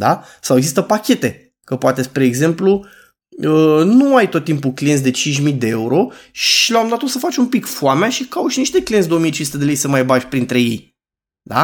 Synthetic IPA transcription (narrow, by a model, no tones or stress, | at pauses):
d̪a | saweɡzist̪əpakʲe̞t̪e̞ | kəpoat̪e̞spɾe̞ːɡze̞mplu | ənuajt̪o̞t̪ːimpuklient̪sʲd̪et͡ʃint͡ʃ̬ʲmid̪e̞euɾo̞ʃilamd̪at̪osəfat͡ʃʲumpikfuameaʃikawuʃiniʃt̪eklijend̪oomijet͡ʃinsut̪e̞d̪e̞lejsəmajbaʒʲpɾint̪ɾe̞je̞̰j | d̪a̰